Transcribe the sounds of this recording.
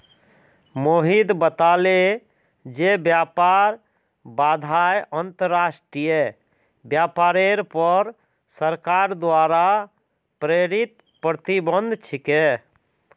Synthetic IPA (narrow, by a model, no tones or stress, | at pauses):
moɦid̪bət̪ale | d͡ʒebjapaɾ | bad̪ʱajənt̪əɾːasʈɾijə | bjapaɾeɾpəɾ | səɾkaɾd̪waɾa | pɾeɾit̪̚ | pɾət̪ibənd̪ʱt͡ʃʰike